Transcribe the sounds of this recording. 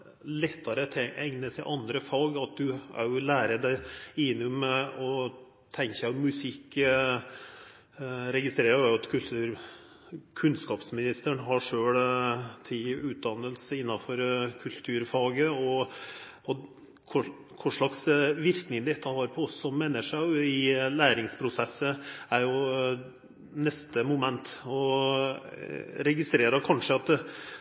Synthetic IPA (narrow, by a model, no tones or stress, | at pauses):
lɛt̪ʰːɑɾət̪ʰɛʔɛŋnəsæɪʔɑnd̪ɾəfɑːɡɑt̪̚d̪ʉœ̰ʊlæːɾəd̪æɪɪnːʊmɛɔ | t̪ʰɛŋkæɔmːʉsɪkː | ɾɛɡɪst̪ɾeːɾəɾæʊɑt̪kʰʉlt̪ʰʉːɾ | kʰʉnskɑːpsmɪnɪst̪əɳɦɑʂøːɽt̪ʰɪʉːt̪̚d̪ɑnəlsəɪnːɑfɔɾkʰʉlt̪ʰʉːɾfɑːɡəɔ | ɔ | kʰʊ | kʰʊʂɭɑksʋɪɾknɪŋd̪ɛt̪ʰːɑhɑːɾpʰɔɔsːɔmːɛnəʂæɪlæːɾɪŋspʰɾʊsɛsːəæɾjʊ | nɛst̪əmʊmɛnt̪ɔ | ɾɛɡɪst̪ɾeːɾəɾkʰɑnʂəɑt̪